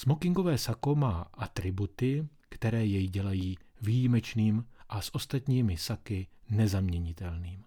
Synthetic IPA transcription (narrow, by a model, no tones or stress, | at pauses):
smo̞kɪŋɡovɛːsako̞maːʔat̪ɾɪbut̪ɪ | kt̪ɛɾɛːjɛjɟɛlajiːvijimɛt͡ʃniːmʔasʔo̞st̪at̪ɲiːmɪsakɪnɛzamɲɛɲɪt̪ɛlniːm